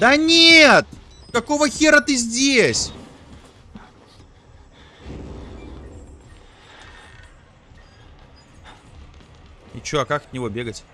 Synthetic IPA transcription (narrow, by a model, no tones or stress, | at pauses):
d̪anʲet̪ | kɐkovəxʲeɾət̪ɨzʲdʲesʲ | ɪ̰t͡ɕoɐkakət̪nʲɪvo̞bʲeɡətʲ